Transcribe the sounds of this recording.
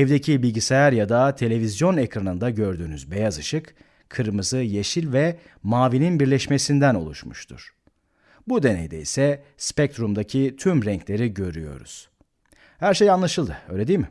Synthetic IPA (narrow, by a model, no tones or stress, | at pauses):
ɛvd̪ecʰibilʲɟisejaɾjad̪at̪ʰe̞lʲe̞vizjo̞nekɾanɯnd̪aɟø̞ɾd̪yːnyzbe̞jazɯʃɯk | kʰːɯɾɯmɯzɯjeʃilʲvɛ | maːvininbiɾlʲɛʃme̞sind̪æno̞̰lˠuʃmuʃt̪ʰṵɾ̥ | bud̪e̞nḛjd̪eḭsɛspɛc̚t̪ɾumd̪acʰit̪ʰymɾɛɲclʲe̞ɾiɟø̞ɾyjo̞̰ɾṵz̥ | hæɾʃe̞janlˠaʃɯlˠd̪ɯøjlʲed̪ijlmɪ